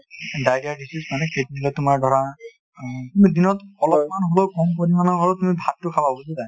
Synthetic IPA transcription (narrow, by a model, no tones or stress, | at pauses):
dajdiadisismanɛkʰetdilɔtumaɹdʱɔɹa | tumidinɔtɔlɔpmanɦolokɔmkonimanɔɦolotumibʱatːʊkʰababusizaj